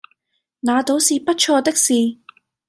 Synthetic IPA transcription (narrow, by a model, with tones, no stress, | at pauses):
naː˨˧t̪o˨˥wsiː˨pɐ˥t̚t͡ʃʰɔː˧t̪ɪ˥k̚siː˨